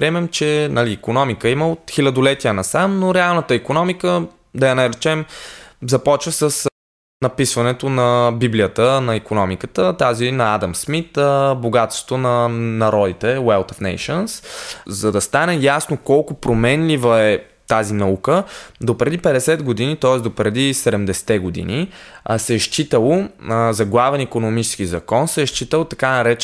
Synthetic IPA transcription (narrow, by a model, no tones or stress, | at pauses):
pɾiɛmɛmt͡ʃɛnɐliːkonɔmikəiməot̪xilʲɐd̪olɛt̪iənɐsamnoɾɛalˠnət̪əikonɔmikə | d̪ɐjɐnɐɾɛt͡ʃɛmzɐpɔt͡ʃvəsəs | nɐpisvɐnɛt̪onɐbiblijət̪ənɐikonɔmikət̪ət̪azinɐad̪ɐmsmit̪əboɡat̪st̪o̥t̪onɐnɐɾɔd̪it̪ɛwɛlˠt̪ofnɛ̰jʃənszɐd̪ɐst̪anɛjasnokɔlˠkopɾomɛnlivəɛ | t̪azinɐukəd̪opɾɛd̪ipɛd̪ɛsɛd̪ɡod̪init̪ɔɛsd̪opɾɛd̪isɛd̪ɛmd̪ɛsɛ̥t̪ɛɡod̪ḭnisɛʃt͡ʃit̪əlˠozɐɡlˠavɛnikonomit͡ʃɛskizɐkɔnsɛʃt͡ʃit̪əlˠt̪ɐkanɐɾɛt͡ʃ